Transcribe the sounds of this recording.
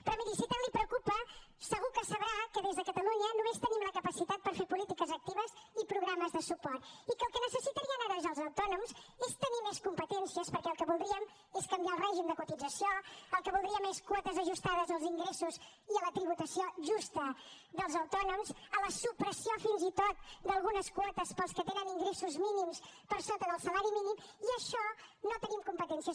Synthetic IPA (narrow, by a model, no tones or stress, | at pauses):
pɾɔmiðisit̪ɛlipɾəkupə | səɣukəsəβɾakəðezðəkət̪əluɲənumest̪ənimləkəpəsit̪at̪̚pəɾfeɾpulit̪ikəzək̚t̪iβəzipɾuɣɾaməzðəsupɔrt̪ikəːlˠkənəsəsit̪əɾiənaɾəzəlˠzəwt̪ɔnumzest̪ənimeskumpət̪ɛnsiəspəɾkɛəlˠkəβulˠd̪ɾiəm | eskəmbialˠrɛʒimd̪əkut̪id͡zəsioəlˠkəβulˠd̪ɾiəmeskwɔt̪əzəʒust̪aðəzəlˠziŋɡɾesuz | iələt̪ɾiβut̪əsioʒust̪ə | ðəlˠzəwt̪ɔnumzələsupɾəsiofinzit̪ot̪̚d̪əlˠɣunəskwɔt̪əspəlˠskət̪enəniŋɡɾesuzminimspəɾsolˠt̪əðəlˠsəlaɾiminimiəʃɔnot̪ənimkumpət̪ɛnsiə